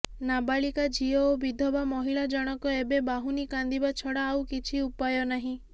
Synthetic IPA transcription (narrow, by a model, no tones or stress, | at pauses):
nabaɭikad͡ʒiɔobid̪ʱɔbamɔɦiɭad͡ʒɔɽ̃ɔkɔebebaɦunikand̪ibat͡ʃʰɔɽaːwkit͡ʃʰiupajɔnaɦĩ